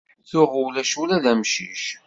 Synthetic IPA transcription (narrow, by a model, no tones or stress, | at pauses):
θʊʁʊwlæʃulæðæmʃḭʃ